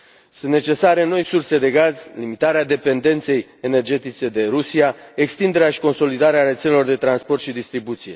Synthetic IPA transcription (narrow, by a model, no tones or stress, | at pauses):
sɨnt̪ne̞t͡ʃe̞saɾe̞no̞jsurse̞d̪e̞ɡazlimit̪aɾead̪e̞pe̞nd̪e̞nt̪se̞jene̞rd͡ʒe̞t̪it͡ʃe̞d̪e̞ɾusiaekst̪ind̪e̞ɾeaʃi̥ko̞nso̞lid̪aɾeaɾe̞t̪selelo̞rd̪e̞t̪ɾanspo̞rt̪ʃid̪ist̪ɾibut̪sije̞